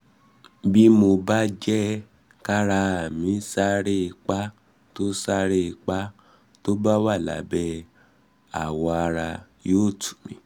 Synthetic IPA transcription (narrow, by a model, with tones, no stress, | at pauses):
bi˦mo˧ba˦d͡ʒɛ˦ | ka˦ɾa˧a˨mĩ˨˦sa˦ɾe˦˧k͡pa˦ | to˦sa˦ɾe˦˧k͡pa˦ | to˦ba˦wa˦˨la̰˨˦bɛ˦ | a̰˨wɔ˧a˧ɾa˧ | joː˦˨tu̥˨mĩ˧˦